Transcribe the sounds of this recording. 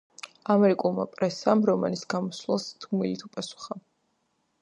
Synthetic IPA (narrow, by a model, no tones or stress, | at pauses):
amɛɾikʼulˠma̰pʼɾɛsamɾɔma̰nisɡamɔslɛlˠst̪ʰumilit̪ʰupʼasu̥χa